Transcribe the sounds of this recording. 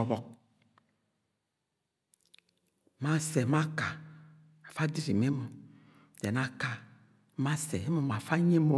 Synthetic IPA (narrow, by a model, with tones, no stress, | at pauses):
ɔ˨βɔ˨k̚ | ma˦sɛ˨ma˦ka˨ | a˨fa˦di˦ɾi˨me˦mu˨ | dɛ˨na˦ka˨˦ | ma˦sɛ˨e˦mo˨m˨a˨fa˦ɲe˦mo˨